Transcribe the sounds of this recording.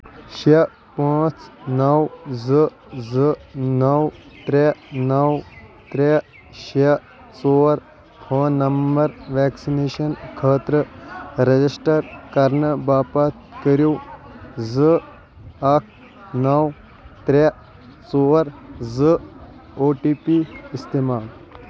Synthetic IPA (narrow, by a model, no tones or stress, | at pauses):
ʃe | pãːt͡ʃnɐwzɨ | zɨnɐw | t̪ɾenɐwt̪ɾe | ʃe | t͡soːɾ | hɐːnɐmbɐɾʋɛːksineːʃɐnkʰəːt̪ɾəɾɐd͡ʑisʈɐɾkɐɾnəbaːpaːt̪kəɾuː | zɨ | ɐk̚ʰ | nɐw | t̪ɾe | t͡soːɾzɨoːʈiːpiist̪emaːl